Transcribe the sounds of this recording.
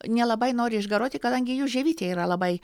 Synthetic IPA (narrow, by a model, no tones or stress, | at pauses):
nʲɛlˠɐbɐɪnoːɾʲɪɪʒɡɐɾoːt̪ʲɪkɐd̪ɐŋʲɡʲɪjuːʒʲɛʋʲiːt̪ʲeːiːɾɐlˠɐbɐɪ